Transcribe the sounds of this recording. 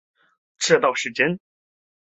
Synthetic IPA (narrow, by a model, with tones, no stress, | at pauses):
ʈ͡ʂʰɻ̩˥˧t̪ɑ˥˩ʊʂɻ̩˧˥˩t͡ɕjɛ˥n